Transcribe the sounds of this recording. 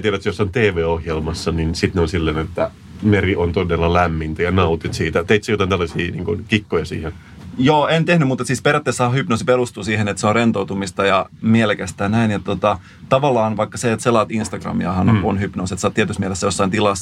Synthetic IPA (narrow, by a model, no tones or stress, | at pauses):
t̪iæɾæt̪sjosːont̪eːʋeːohjelmɑsːɑninsit̪neonsilːenet̪ːæ | meriʔont̪odelːɑlæmːint̪æjɑnɑut̪it̪siːt̪æt̪eit̪sejot̪ɑnt̪ælːɑsḭːnḭːŋkunkikːojɑsḭːhen | joːent̪ehnymut̪et̪siːsperjɑt̪ːesːæhɑhypnosiperust̪uːsiːhenet̪seonrent̪out̪umist̪ɑjɑmielekæst̪æːnæinjet̪t̪ot̪ɑ | t̪ɑʋɑlːɑːnʋɑikːɑseet̪selɑːt̪inst̪ɑɡ̥rɑ̰miɑhɑnonhypnoːset̪sɑːt̪tiæt̪ysmielesːæjosːɑint̪ilɑs